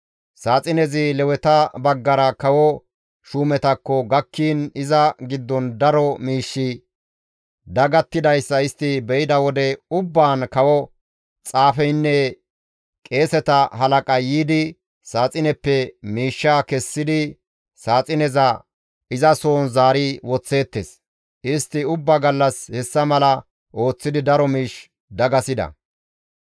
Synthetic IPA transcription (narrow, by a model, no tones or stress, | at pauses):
saːt͡sʼɪnɛzɪlɛwɛt̪ɐbɐɡːɐɾɐkɐwɔ | ʃuːmɛt̪ɐkːɔɡɐkːiːnɪzɐɡɪd̪ːɔnd̪ɐɾɔmiːʃːɪ | d̪ɐɡɐt̪ːɪd̪ɐjsːɐɪst̪ːɪbɛjɪd̪ɐwɔd̪ɛʊbːaːnkɐwɔ | t͡sʼaːfɛjnːɛ | kʼe̞ːsɛt̪ɐɦɐlɐkʼɐjiːd̪ɪ | saːt͡sʼɪnɛpːɛmiːʃːaːkɛsːɪd̪ɪ | saːt͡sʼɪnɛzɐ | ɪzɐso̞ːnzaːɾiwɔt͡sːe̞ːt̪ːes | ʔɪst̪ːɪʊbːaɡɐlːɐshɛsːɐmɐlɐ | ʔo̞ːt͡sːɪd̪ɪd̪ɐɾɔmiːʃ | d̪ɐɡɐsɪd̪ɐ̰